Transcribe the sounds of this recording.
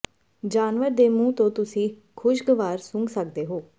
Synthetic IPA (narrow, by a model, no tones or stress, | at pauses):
d͡ʒaːnʋəɾd̪eːmũːt̪õːt̪ʊsĩː | kʰʊʃɡəʋaːɾsʊŋɡsək̚d̪eːɦoː